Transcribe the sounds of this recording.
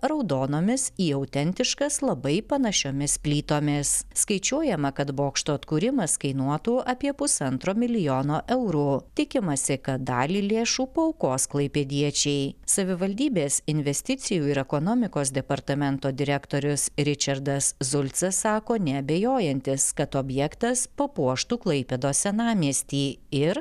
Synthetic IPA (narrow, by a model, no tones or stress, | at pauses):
ɾɐʊd̪oːnoːmʲɪsiːɐʊt̪ʲɛnʲt̪ʲɪʃkɐslˠɐbɐɪpɐnɐʃʲoːmʲɪspʲlʲiːt̪oːmʲɪsskɐɪt͡ʃʲuɔjɛmɐkɐt̪boːkʃt̪oːt̪kuːɾʲɪmɐskɐɪnuɔt̪uːʔɐpʲiɛpʊsɐnt̪ɾoːmʲɪlʲɪjoːnoːʔɛʊɾuːt̪ʲɪkʲɪmɐsʲɪkɐt̪̚d̪ɑ̰ːlʲiːlʲeːʃuːpɐɐʊkoːsklˠɐɪpʲed̪ʲiɛt͡ʃʲɛɪsɐʋʲɪʋɐlʲd̪ʲiːbʲeːsɪnʲʋʲɛsʲt̪ʲɪt̪sʲɪjuːɪɾɛkonoːmʲɪkoːsd̪ʲɛpɐɾt̪ɐmʲɛnt̪oːd̪ʲɪɾʲɛkt̪oːɾʲʊsɾʲɪt͡ʃʲɐɾd̪ɐszʊlʲt̪sɐsːɑːkoːnʲɛɐbʲejoːjɛnʲt̪ʲɪskɐt̪oːbʲjɛkt̪ɐspɐpuɔʃt̪uːklˠɐɪpʲɛd̪oːsʲɛnɑːmʲiɛsʲt̪ʲiːɪɾ